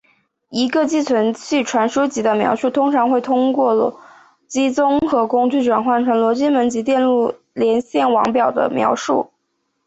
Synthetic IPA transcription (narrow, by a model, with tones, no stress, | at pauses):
i˧˥ɡə˧t͡ɕi˥t͡sʰwə˧˥nt͡ɕʰy˥˩ʈ͡ʂʰwa˧˥nʂu˥t͡ɕi˧˥d̪ə˧mjɑ̰˧˥ʊʂu˥˩t̪ʰʊ˥ŋʈ͡ʂʰɑ˧˥ŋxwe˥˩ɪt̪ʰʊ˥ŋkwɔ˥˩l | t͡ɕi˥t͡sʊ˥ŋxɤ˧˥kʊ˥ŋt͡ɕy˥˩ʈ͡ʂwa˨˩nxwa˥˩nʈ͡ʂʰɤ˧˥nlwɔ˧˥t͡ɕi˥nmə˧˥nt͡ɕi˧˥t̪jɛ˥˧nlu˥˩ | ljɛ˧˥nɕjɛ˥˩nwɑ˧˥ŋpjɑ˨˩ʊd̪ə̰˦mjɑ̰˧˥ʊʂu˥˩